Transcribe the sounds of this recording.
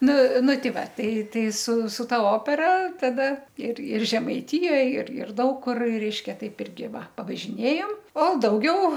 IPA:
ˈnʊ ˈnʊ ˈtʲɪ ˈʋɐ ˈtɐɪ ˈtɐɪ sʊ sʊ ˈtɐ ˈoːpʲɛrɐ tɐˈdɐ ɪr ɪr ʒʲɛmɐɪˈtʲɪjoːj ɪr ɪr ˈdɐʊk kʊr ˈrʲɛɪʃʲkʲɛ ˈtɐɪp ˈɪrʲɡʲɪ ˈʋɐ pɐʋɐʒʲɪˈnʲeːjoːm oː dɐʊˈɡʲɛʊ

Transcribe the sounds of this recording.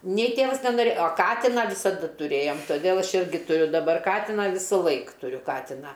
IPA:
nʲɛɪ ˈtʲeːʋɐs nʲɛnoːˈrʲeːj oː ˈkɑːtʲɪnɑː ʋʲɪsɐˈdɐ tʊˈrʲeːjoːm toːˈdʲeːlˠ ˈɐʃ ˈɪrʲɡʲɪ tʊˈrʲʊ dɐˈbɐr ˈkɑːtʲɪnɐ ˈʋʲɪsʊlˠɐɪk tʊˈrʲʊ ˈkɑːtʲɪnɑː

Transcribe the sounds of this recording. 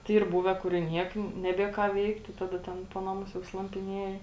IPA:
tɐɪ ˈiːr ˈbuːʋʲɛ kʊr ɪ ˈnʲiɛk nʲɛˈbʲiɛ kɑː ˈʋʲɛɪktʲɪ ˈtɑːdɐ ˈtʲɛn ˈpoː nɐˌmʊs jɛʊ slˠɐmʲpʲɪˈnʲiɛjɪ

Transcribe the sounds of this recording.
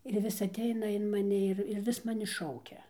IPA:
ɪr ˈʋʲɪs ɐˈtʲɛɪnɐ ɪn mɐˈnʲɪ ɪr ɪr ˈʋʲɪs mɐˈnʲɪ ˈʃɐʊkʲɛ

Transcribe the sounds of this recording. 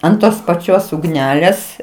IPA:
ɐnt ˈtoːs pɐˈt͡ʃʲoːs ʊɡˈnʲæːlʲeːs

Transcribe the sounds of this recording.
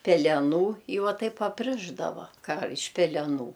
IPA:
pʲɛlʲɛˈnuː ɪ ˈʋɐ ˈtɐɪp ɐpʲˈrʲɪʒdɐʋɐ ˈkɑː ɪʃ pʲɛlʲɛˈnuː

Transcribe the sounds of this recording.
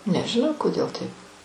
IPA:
nʲɛʒʲɪˈnɐʊ koːˈdʲeːlˠ ˈtɐɪp

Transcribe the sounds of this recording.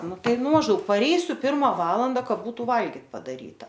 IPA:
ˈnʊ ˈtɐɪ ˈnʊ mɐʒˈdɐʊk pɐˈrʲɛɪsʲʊ ˈpʲɪrmɐ ˈʋɑːlˠɐndɐ ˈkɐ ˈbuːtʊ ˈʋɐlʲɡʲɪtʲ pɐdɐˈrʲiːtɐ

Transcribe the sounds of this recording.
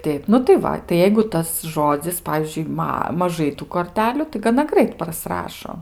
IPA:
ˈtʲɛɪp nʊ tɐɪ ˈʋɐ tɐɪ ˈjɛɪɡʊ ˈtɐs ˈʒoːd͡zʲɪs ˈpɑːʋʲiːzʲd͡ʒʲʊɪ ˈmɐ mɐˈʒɐɪ ˈtuː koːrʲˈtʲæːlʲʊ tɐɪ ɡɐˈnɐ ˈɡrɐɪt prɐˈsrɑːʃoː

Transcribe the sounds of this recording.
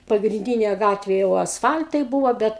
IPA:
pɐɡrʲɪnʲˈdʲiːnʲeː ˈɡɑːtʲʋʲeː jɛʊ ɐsˈfɐlʲtɐɪ ˈbuːʋoː ˈbʲɛt

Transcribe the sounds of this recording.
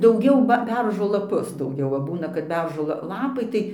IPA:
dɐʊˈɡʲɛʊ bɐ ˈbʲɛrʒoː lˠɐˈpʊs dɐʊˈɡʲɛʊ ʋɐ ˈbuːnɐ kɐt ˈbʲɛrʒoː ˈlˠɑːpɐɪ tɐɪ

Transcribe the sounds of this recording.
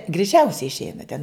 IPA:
ɡrʲɛɪˈt͡ʃʲɛʊsʲɛɪ ɪʃʲˈɛɪnɐ tʲɛn

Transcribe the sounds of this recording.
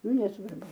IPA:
ˈnʊ nʲɛsʋɐrˈbʊ

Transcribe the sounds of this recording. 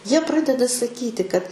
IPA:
ˈjiɛ ˈprɑːdʲɛdɐ sɐˈkʲiːtʲɪ kɐt

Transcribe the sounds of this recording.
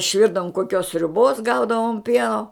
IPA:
ɪʃʲˈʋʲɪrdɐʋʊm koːˈkʲoːs sʲrʲʊˈboːs ˈɡɐʊdɐʋoːm ˈpʲiɛnoː

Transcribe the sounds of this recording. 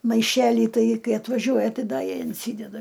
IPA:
mɐɪˈʃʲæːlʲiː ˈtɐɪ ˈkɐɪ ɐtʋɐˈʒʲuɔjɛ ˈtɐɪ ˈdɐ ɪnʲˈsʲiːdʲɛdɐ

